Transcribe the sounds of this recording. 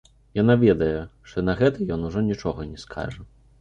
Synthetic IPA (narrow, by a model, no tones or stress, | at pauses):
janavʲɛd̪ɐjɛʂt̪ɔnɐɣɛt̪ɐjɔnuʐɔnʲit͡ʂɔɣɐnʲɛskʰa̰ʐɐ